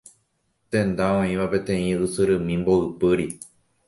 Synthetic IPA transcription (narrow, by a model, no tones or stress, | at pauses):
t̪ẽ̞nd̪ãõĩʋapet̪ẽĩɨsɨɾɨmĩmboɨpɨɾi